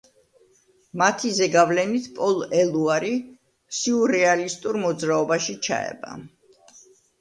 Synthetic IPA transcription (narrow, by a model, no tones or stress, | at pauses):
mat̪ʰizɛɡavlɛnit̪ʰpʼɔlˠɛluaɾi | siuɾɛalist̪ʼuɾmɔd̪zɾaɔbaʃit͡ʃʰa̰ɛ̰ba̰